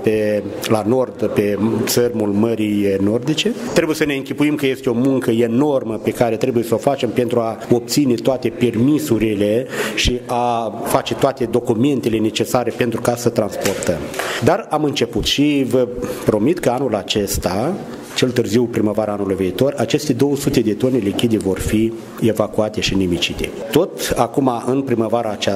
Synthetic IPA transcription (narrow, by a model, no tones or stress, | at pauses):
pelano̞rd̪pe̞t̪sərʲmulməɾijno̞rd̪it͡ʃe̞t̪ɾe̞bujesəne̞ɨŋkʲipuimkəje̞st̪eo̞muŋkəe̞no̞rməpe̞kaɾe̞t̪ɾe̞buje̞səo̞fat͡ʃe̞mpe̞nt̪ɾuao̞p̚t̪sine̞t̪oat̪e̞pe̞rmisuɾile̞ʃiafat͡ʃe̞t̪oat̪e̞d̪o̞kume̞nt̪e̞le̞ne̞t͡ʃe̞saɾe̞pe̞nt̪ɾukasət̪ɾanspo̞rt̪əmd̪aramɨnt͡ʃe̞put̪ʃivəpɾo̞mit̪kəanulat͡ʃe̞st̪a | t͡ʃe̞lt̪ɨrziwpɾiməvaɾaanulujviːt̪o̞rat͡ʃe̞st̪e̞d̪o̞wəsut̪e̞d̪et̪o̞nelikʲid̪evo̞rfi | e̞vakuat̪e̞ʃinimit͡ʃit̪e̞̰t̪o̞t̪akumaʔɨnpɾiməvaɾaːt͡ʃa